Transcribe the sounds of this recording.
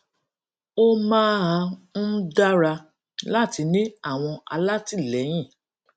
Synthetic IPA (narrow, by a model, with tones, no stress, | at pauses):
o˦mãː˦ɦã˧n̩˦da˦ɾa˧ | la˦˨ti˧nĩ˦a˦˨w̃ɔ̃˧a̰˧la˦ti˦˨lɛ˨˦j̃ĩ˦˨